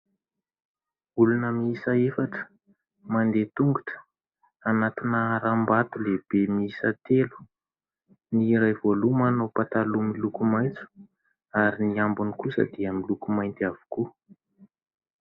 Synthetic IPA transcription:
ulunəmiisaefaʈ͡ʂə̥ | mand̪et̪uŋɡuʈ͡ʂə̥ | anat̪inəɾambat̪uleb̥emiisət̪elu̥ | niɾajvolumanopat̪alumilukumajnt͡su̥ | aɾiniambunikusə̰d̪iəmilukumajnt̪iav̥u̥ku

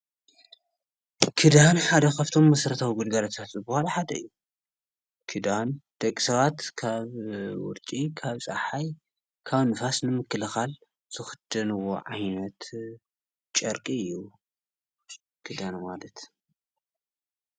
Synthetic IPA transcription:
kʰɨd̪anħad̪ɐkʰɐβt̪ʰo̞mːɐsɾɐt̪ʰawiɡud̪ɡalɐt̪ʰat̪zɨbuhalaħad̪ɐ̰ɨ̰jːu | kʰɨd̪and̪̥ɐkʼisɐβat̪kʰaβwʊ̰ɾt͡ʃʼikʰaβsʼɐħaj | kʰaβnɨfasnɨmɨkːɨlɨxal | z̥ɨxɨd̪̥ɨnɨwo̞̰ʕajnɐt̪ | t͡ʃʼɐɾkʼiɨjːu | kʰɨd̪anmalɐt̪

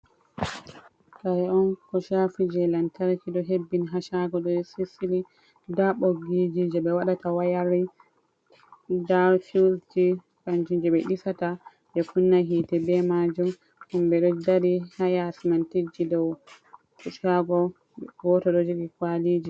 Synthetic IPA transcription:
kaɛɔnkɔʃafid͡ʒɛlantaɾkiɗɔɦebːinɦaʃaɡɔɗɔsisili | daɓoɡid͡ʒid͡ʒɛɓɛwaɗatawajaɾi | daɾfisd͡ʒi | kand͡ʒind͡ʒɛɓɛɗisata | ɓɛkunːaɦitɛbɛmad͡ʒum | ʔumbɛɗɔdaɾihajasimantid͡ʒidɔw | kɔʃaɡɔ | wɔtɔɗɔd͡ʒoɡikwalid͡ʒi

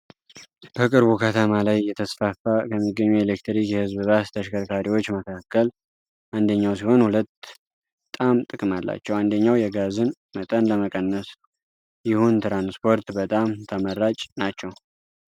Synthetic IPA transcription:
b̥əkʼɨɾβukʰət̪ʰəmalajːɛt̪ʰəsfafakʰəmːiɡːəɲːuelekt̪ɾikjɛhɨzbɨβat̪t̪ʰəʃkəɾkʰaɾiwo̞t͡ʃːməkʰakːəl | ʔand̪əɲːawsiho̞nhulət̪ː | bət̪ʼamt̪ʼɨkʼmalːa̰t͡ʃːɛwand̪əɲːawjɛɡazɨn | mət̪ʼənləməkʼənːəs | jɪhunt̪ʰɾanspʰo̞ɾt̪bət̪ʼamt̪ʰəməɾːat͡ʃʼnat͡ʃːɛw

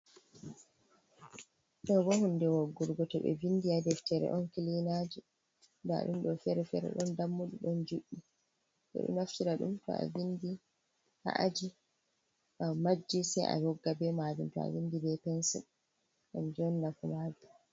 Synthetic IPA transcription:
ɗɔbɔhundɛwɔɡːuɾɡɔtɔbɛ̰vindiadɛftɛɾɛ̰ʔɔnkilinad͡ʒi | daa̰ɗumɗɔfɛɾɛfɛɾɛ̰ɗɔndamːuɗuɗɔnd͡ʒuɗːi | ɓɛ̰ɗṵnaftiɾaɗṵmtɔ̰a̰vindi | ha̰ʔad͡ʒi | amad͡ʒːisɛjʔa̰jɔɡːabɛmad͡ʒimtɔa̰vindibɛpɛnsṵ | amd͡ʒɔnːafumavi

